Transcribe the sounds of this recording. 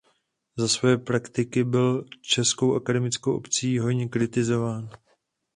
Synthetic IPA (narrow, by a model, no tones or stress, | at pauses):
zasvojɛpɾakt̪ɪkɪbɪlt͡ʃɛsko̞wʔakadɛmɪt͡skowʔo̞̰pt͡siːɦo̞jɲɛkɾɪt̪ɪzo̞vaːn